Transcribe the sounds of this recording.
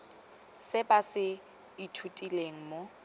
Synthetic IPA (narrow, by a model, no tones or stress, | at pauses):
sɪbasɪ | itʰutʼileŋ̩mo